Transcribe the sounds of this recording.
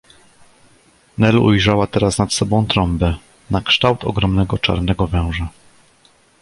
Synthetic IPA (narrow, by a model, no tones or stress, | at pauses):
nɛlṵjʐawat̪ɛɾasnat̪sɔbɔ̃w̃t̪ɾɔmbɛ | nakʂt̪awt̪ɔ̰ɡɾɔmnɛɡɔt͡ʂa̰ɾnɛɡɔvɛ̃w̃ʐa